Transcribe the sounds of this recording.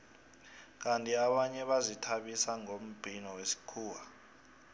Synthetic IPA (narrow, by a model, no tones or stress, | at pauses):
k̬antʼiaɓaɲɛɓazitʰaɓisaŋom̩b̥ʱinɔwesi̥kʰuːwa